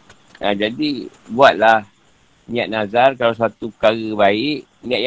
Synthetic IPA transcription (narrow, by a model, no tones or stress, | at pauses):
ʔad͡ʒadibuat̪̚lah | ɲaʔ̚nazarkalaws̬at̪upəkaɣəbaɪʔ | ɲiaʔj